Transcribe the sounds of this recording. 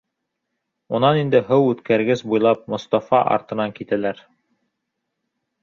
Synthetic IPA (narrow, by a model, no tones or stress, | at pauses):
unɑnind̪ɘɦɤwʉt̪kʰæɾɡɘsbujlˠɑp̚mŏst̪ɑfɑʔɑ̰ɾt̪ɤ̆nɑŋkit̪ælæɾ